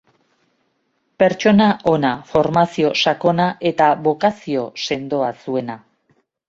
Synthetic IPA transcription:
pe̞ɾt͡ʃo̞naʔo̞nafo̞ɾmasio̞sako̞naʔe̞t̪aβo̞kasio̞se̞nd̪o̞asue̞na

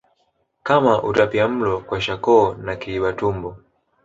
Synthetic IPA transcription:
kamaʔutapiam̩lɔkwaʃakɔːnakiiɓatumbɔ

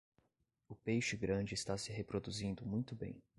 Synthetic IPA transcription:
ʊpejʃɪɡɾɐ̃d͡ʒɪːst̪asɪɦepɾod̪uzĩnd̪ʊmũj̃t̪ʊbḛ̃j̃

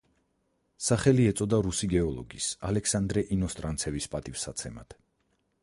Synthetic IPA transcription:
saχɛliɛt̪sʼɔd̪aɾusiɡɛɔlˠɔɡisalɛkʰsand̪ɾɛʔinɔst̪ʼɾant̪sʰɛvispʼat̪ʼifsat̪sʰɛma̰t̪

